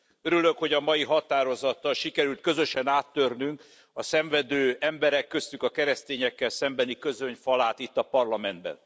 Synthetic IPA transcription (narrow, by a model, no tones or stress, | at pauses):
øɾyløkho̞ɟɒmɒjiɦɒt̪aːɾo̞zɒt̪ːɒlʃikɛɾylt̪̚kø̞zø̞ʃɛnaːt̪ːørnyŋk | ɒsɛɱvɛd̪øːɛmbɛɾɛkːø̞st̪ykɒkɛɾɛst̪eːɲɛkːɛlsɛmbɛnikø̞zøɲfɒlaːt̪it̪ːɒpɒrlɒmɛnd̪̚bɛ̰n